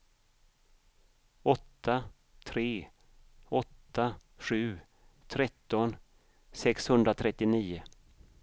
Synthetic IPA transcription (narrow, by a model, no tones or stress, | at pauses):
ɔt̪ʰːa | t̪ʰɾeː | ɔt̪ːaɧʉ̟ː | t̪ʰɾɛt̪ːɔn | sɛkshɵnd̪ɾat̪ʰɾɛt̪ːɪniːʊ